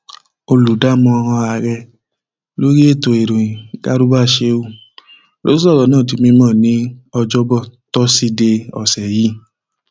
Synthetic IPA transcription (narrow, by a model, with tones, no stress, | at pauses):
o˧lu˨da˨˦˨mɔ̃˧ɔ˧hɔ̃˧a˧˨ɾɛ˧ | lo˦ɾi˦e˦˨to˨e˨ɾõ˨ĩ˨ɡ̥a˦ɾu˦ba˦˨ʃe˧˦u˦˨ | lo̰˦i˦sɔ˦˨ɾɔ˨˦nãː˦˨t̬i˧mĩ˧mɔ̃ː˦˨nĩ˨˦ɔ˧d͡ʒɔ˦bɔ˦˨tɔ˦si˦de˧ɔ̰˨sɛ˨ji˨˦